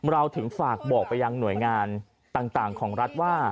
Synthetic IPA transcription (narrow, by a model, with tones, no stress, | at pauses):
ɾa˧wt̪ʰɯ˩˦ŋfaː˨˩k̚bɔː˨˩k̚pa˧jːa˧ŋnu˩˦əjŋaː˧n | t̪aː˨˩ŋt̪aː˨˩ŋkʰɔː˩˦ŋɾa˦˥t̪̚waː˥˩